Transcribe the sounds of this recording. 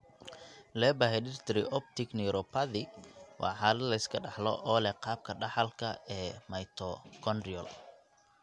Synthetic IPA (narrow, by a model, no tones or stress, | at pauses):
lɛːbaɦɛɖɪrt̪ʰɾɪʔɔp̚t̪ʰɪknɛɾɔpʰaðɪwʔɑ̰ːħɑːlɐd̪lɐɪskʰɐɖɑħlɔ̰ʔɔːlɛqɑːb̚kʰɐɖɑħɑlkʰɐɛːmɐjt̪ʰɔkʰɔnɖiɔ̰l